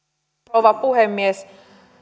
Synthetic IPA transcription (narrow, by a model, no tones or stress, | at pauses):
oʋɑpuhemːies